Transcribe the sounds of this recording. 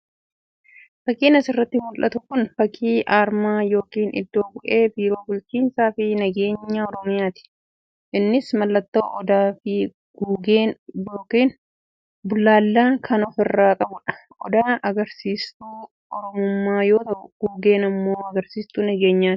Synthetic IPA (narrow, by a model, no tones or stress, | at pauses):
fɐkːiːnɐsɪrːɐt̪ːɪmʊlʔɐt̪ʊkʊnfɐkʰːiːʔaːɾmaːjo̞ːkiːnɪ̰d̪ːo̞ːbʊʔe̞ːbiːɾo̞ːbʊlt͡ʃiːnsaːfɪnɐɡe̞ːɲːaːɔɾɔmɪjaːt̪ɪ̥ | ʔɪnːɪsmɐlːɐt̪ːoːʔɔd̪aːfɪ | ɡ̥uːɡeːnjoːkiːn | bʊlːaːlːaːkʰɐnɔfɪrːaːkʼɐbʊᶑɐ̥ʔɔd̪aːʔɐɡɐɾsiːst̪uː | ɔɾɔmʊmːaːjo̞ːt̪ɐʔʊɡ̥uːɡe̞ːnɐmːo̞ːɐɡɐɾsiːst̪uːnɐɡe̞ːɲːaːt̪ɪ̥